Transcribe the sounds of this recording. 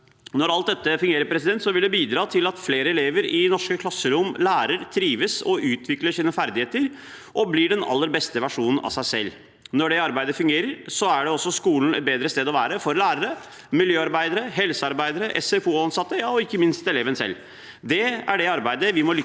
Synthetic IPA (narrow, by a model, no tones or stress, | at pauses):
nɔɾɑlt̪̚d̪ɛt̪ːəfʉŋɡeːɾəɾpʰɾɛsɪd̪ɛnt̪sɔʋɪld̪ɛbiːd̪ɾɑːt̪ʰɪlɑt̪fleːɾəɛleːʋəɾɪnɔʂkəkʰlɑsːəɾʊmlæːɾəɾt̪ʰɾiːʋəsɔʔʉːt̪ʰʋɪkləʂiːnəfæɾd̪ɪheːt̪əɾ | ʔɔblɪɖɛnɑ̰lːəɾbɛst̪əʋæʂuːnn̩ɑ̰sæɪsɛ̰lː | nɔɖɛɑɾbæɪd̪əfʉŋɡeːɾəɾsɔæɖɛɔsːɔskuːln̩ɛ̰t̪̚beːd̪ɾəst̪eːd̪ɔʋæːɾəfɔɾlæːɾəɾə | mɪljøːɑɾbæɪd̪əɾəɦɛlsəɑɾbæɪd̪əɾəʔɛ̰sɛfuːɑnsɑt̪ːəjɑːɔɪkːəmɪnst̪ɛleːʋənsɛ̰lː | d̪ɛæ̰ɖɛɑɾbæɪd̪əʋɪmɔlʏ